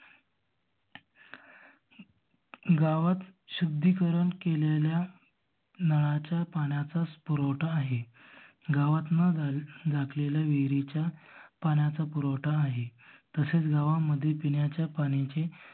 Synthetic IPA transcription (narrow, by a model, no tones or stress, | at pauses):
ɡaʋat̪ɕud̪ʱːiːkəɾəɳkelelja | nəɭat͡ɕjapaɳjat͡saspuɾoʈaːɦe | ɡaʋat̪nad͡zakʰleljaʋeɡɾit͡ɕjapaɳjat͡sapuɾowʈaːɦet̪əset͡sɡaʋaməd̪ʱːjepiɳjat͡ɕjapaɽ̃it͡ɕe